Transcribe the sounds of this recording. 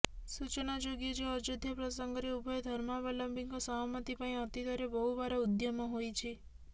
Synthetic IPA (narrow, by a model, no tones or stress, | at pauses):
sut͡ʃnad͡ʒoɡed͡ʒeɔd͡ʒud̪ʱːjəpɾɔsəŋɡɔɾeubʱɔjd̪ʱəɾmabaləmbiŋkosəɦamət̪ipaɳĩɔt̪id̪ʱaɾebɔɦubaɾaud̪jamɔ̃ɦojt͡ʃʰe